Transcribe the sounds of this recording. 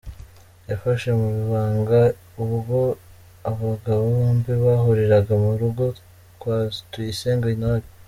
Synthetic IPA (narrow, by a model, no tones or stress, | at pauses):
jafaʃemuβiβaːŋɡa | uβuɡo̞ | aβaɡaβoombiβaɦoɾeɾaɡamuɾuɡo̞ | kwatuiseːŋɡainaβi